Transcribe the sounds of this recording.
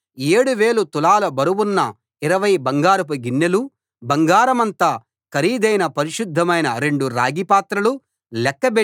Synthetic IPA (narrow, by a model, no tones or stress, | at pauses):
eːɽuʋeːɭut̪ulaːlɐbɐɾuwunːɐ | iɾɐʋɐjbɐŋɡaːɾɐp̬ɐɡinːelu | bɐŋɡaːɾɐmɐnt̪aː | kɐɾiːd̪ɐjnɐpɐɾiʃud̪ʱːɐmɐjnɐɾe̞ɳɖuɾa̰ːɡipaːt̪ɾɐlu | lɛkːɐbe